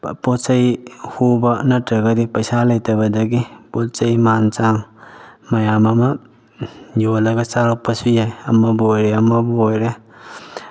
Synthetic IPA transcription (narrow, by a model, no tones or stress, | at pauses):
pot͡ʃɐjhubɐnɐtɾɐɡɐdipɐsalɐjtɐbɐdɐɡipolt͡ʃɐjmant͡ʃaŋmɐjamɐmɐ | jolɐɡɐt͡ʃaɾapɐsujajɐmɐbojɾeɐmɐbuojɾe